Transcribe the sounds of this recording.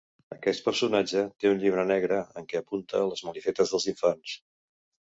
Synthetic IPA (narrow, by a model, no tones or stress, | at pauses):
əkɛst̪pəɾsunad͡ʒət̪eunʎiβ̞ɾənɛɣɾəəŋkɛəpunt̪ə̰ləzməlifɛt̪əzðəlˠziɱfans